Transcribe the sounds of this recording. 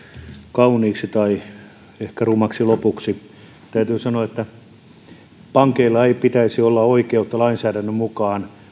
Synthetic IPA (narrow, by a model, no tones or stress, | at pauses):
kɑuniːksit̪ɑi | ehkærumɑksilopuksi | t̪æyt̪yːsɑnoɑet̪ːæ | pɑŋkeilːɑeipit̪æisiolːɑoikeut̪ːɑlɑinsæːɾænːømukɑːn